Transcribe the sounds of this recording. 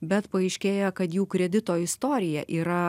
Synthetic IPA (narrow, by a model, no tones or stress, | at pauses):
bʲɛt̪pɐɐɪʃʲkʲeːjɛkɐt̪juːkɾʲɛd̪ʲɪt̪oːɪst̪oːɾʲɪjɛʔiːɾɐ